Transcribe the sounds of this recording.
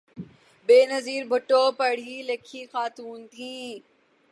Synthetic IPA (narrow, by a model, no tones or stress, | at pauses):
beːnɐziːɾbʱʊʈoːpɐɽ̤ilekʰiːxaːt̪uːnt̪ʰĩː